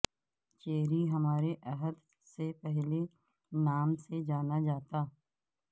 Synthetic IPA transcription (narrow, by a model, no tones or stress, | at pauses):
t͡ʃeːɾiɦɐmaːɾeʔɐɦəd̪ | sepɛɦle | naːmsed͡ʒaːnad͡ʒaːt̪aː